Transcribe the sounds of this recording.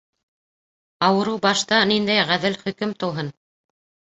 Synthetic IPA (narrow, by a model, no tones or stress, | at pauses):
ɑwɤ̆ɾɤwbɑʃt̪ɑnind̪æjʁæðɘlχɵ̆kɵmt̪ɤ̆wɦɤn